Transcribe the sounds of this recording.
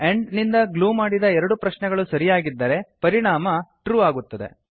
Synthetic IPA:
eɳɖnind̪ɐɡluːmaːɽid̪ɐɛɾɐɽupɾɐʃnɛɡɐɭusɐɾijaːɡid̪ːɐɾe̞pɐɾiɳaːmɐʈɾuːaːɡut̪ːɐd̪e̞̰

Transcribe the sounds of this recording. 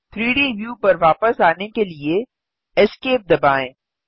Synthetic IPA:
t̪ʰɾiːɖiːʋjuːpɐɾʋaːpəsaːnekelie | ɛskeːp̚d̪ɐbaːẽː

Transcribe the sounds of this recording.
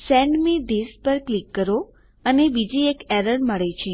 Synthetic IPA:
sɛɳɖmid̪espəɾklikːəɾo | ənebid͡ʒiekɛɾəɽməɭet͡ʃʰe

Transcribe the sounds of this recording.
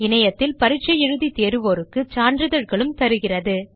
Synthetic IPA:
ɪnɐjɐt̪ːɪlpɐɾɪt͡ʃːɐɛɻɯðit̪eːɾɯʋoːɾɯkːɯt͡ʃaːndrɯðɐɻɣɐɭɯmt̪ɐɾɯɣɪrɐðɯ

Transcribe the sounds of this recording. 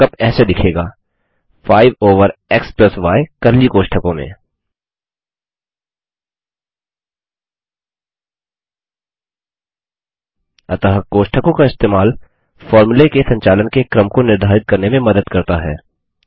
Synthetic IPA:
kɐbɛːsed̪ɪkʰeːɡaː | faːɪʋoːʋəɾeksplɐsʋaːekɐɾlikoːʃʈʰəkõmḛ̃ | ɐt̪əɦəkoːʃʈʰəkõkaɪst̪eːmaːl | fɔːɾmulekesɐ̃ɲt͡ʃaːlənkekɾəmkonɪɾd̪ʱaːɾɪt̪̚kɐɾnemẽmɐd̪əd̪kɐɾt̪aɦɛ̰ː

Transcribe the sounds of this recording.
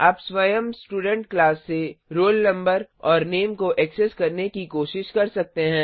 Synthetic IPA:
aːpswɐjəmsʈuːɖə̃ɳʈklaːsːeɾoːlnɐ̃mbəɾɔːɾneːmkoʔɛkseskɐɾnekikoːʃɪʃkɐɾsɐk̚t̪eɦɛ̃ː

